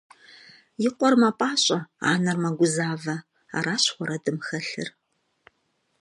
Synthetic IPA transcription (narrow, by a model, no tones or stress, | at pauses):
jɪqʷɔrmapʼaːɕʼɐa̰ːnɐrmɐɡʷʊzaːvɐ | a̰ːɾaːɕχʷɔɾɐdɨmxɐɬɨ̰r